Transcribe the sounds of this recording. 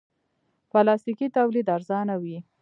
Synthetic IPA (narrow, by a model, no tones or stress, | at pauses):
pəlɑst̪ikit̪awlid̪aɾzɑnawi